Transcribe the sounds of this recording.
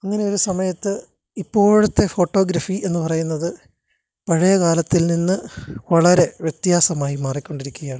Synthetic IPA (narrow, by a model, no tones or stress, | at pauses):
ɐŋːɐne̞jo̞ɾusɐmɐjɐt̪ːɨ | ipːo̞ːɻut̪ːe̞fo̞ːʈːo̞ːɡɾɐfie̞nːɨpɐrɐjunːɐðɨ | pɐɻɐjɐkaːlɐt̪ːilninːɨʋɐɭɐɾe̞ʋjet̪jaːsɐmaːjimaːrikʲːo̞ɳɖiɾikʲːuɣɐjaːɳɨ